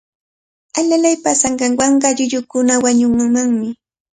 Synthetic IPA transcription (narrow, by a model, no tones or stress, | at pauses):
aʎalajpasaŋɢɑŋwɑɴɢɑʎʊʎʊkʊnawaɲʊŋmaŋmɪ